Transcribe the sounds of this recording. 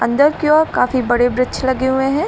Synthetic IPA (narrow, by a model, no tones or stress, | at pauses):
ɐ̃nd̪əɾkjoɔːɾkaːfibɐɽebɾɪt͡ʃʰlɐɡeɦuẽɦɛ̃ː